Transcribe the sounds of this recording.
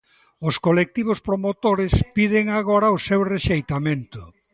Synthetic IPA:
ʊskolek̚t̪iβʊspɾomot̪oɾɪspið̞ɪŋaɣoɾɐʊsewreʃejt̪amẽnt̪ʊ

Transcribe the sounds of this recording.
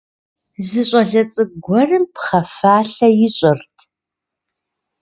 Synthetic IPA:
zɨɕʼɐɮɐt͡sʼɨɡʷɔrɨmpχɐfaːɬɐjɪɕʼɪrtʰ

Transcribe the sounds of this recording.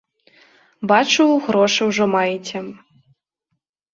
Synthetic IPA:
bat͡ʂuwɣɾɔʂɨwʐɔmajit͡sʲɛ

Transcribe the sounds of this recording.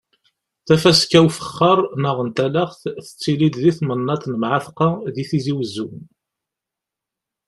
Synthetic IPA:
θæfæskæwfə̥χːəɾˤnəʁənt̪ælæχθθə̥t͡sːilid̪ðiθmənːɑt̪nəmʕaθqɑðiθiziwəzːun

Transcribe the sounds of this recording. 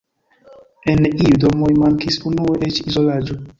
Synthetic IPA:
eniudomojmaŋkisunueʔet͡ʃizo̞lad͡ʒo

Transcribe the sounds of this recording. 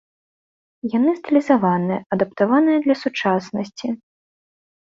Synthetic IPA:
janɨst̪ɨlʲizavanɨjɐɐd̪ɐp̚t̪avanɨjɐd̪lʲɐsut͡ʂasnɐsʲt͡sʲi

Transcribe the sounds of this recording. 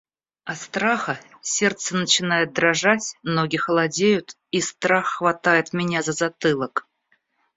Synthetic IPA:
ɐt̪st̪ɾaxə | sʲe̞rt̪sənət͡ɕɪnajɪt̪̚d̪ɾɐʐatʲmnoɡʲɪxəlˠɐdʲejʊt̪ | ist̪ɾaxːvɐt̪ajɪt̪mʲɪnʲazəzɐt̪ɨlˠək

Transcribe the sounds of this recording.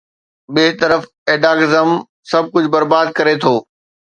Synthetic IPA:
bɪɦɪt̪əɾəf | eːɖaːɡɪzəm | sɐb̚kʊd͡ʑʱbɐɾbaːd̪̚kɐɾet̪ʰoː

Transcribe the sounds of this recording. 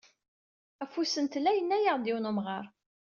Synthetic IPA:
æfusənt̪lːæjənːæjəʁd̪iwnumʁɑɾˤ

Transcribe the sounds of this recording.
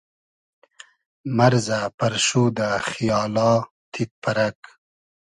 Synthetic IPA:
maɾzapaɾʃuːd̪axijɑːlɑː | t̪ʰit̪̚pʰaɾak

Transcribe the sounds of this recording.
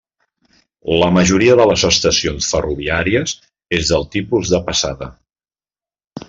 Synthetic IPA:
ləməʒuɾiəðələzəst̪əsionsfəruβiaɾiəz | ezðəlˠt̪ipuzðəpəsa̰ðə̰

